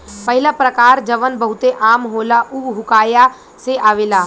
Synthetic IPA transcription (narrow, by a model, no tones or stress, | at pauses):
pəɦɪlapɾəkaːɾd͡ʒɐʋənbəɦʊt̪eʔaːmɦoːlaʔuɦʊkaːja | seʔaːʋeːlaː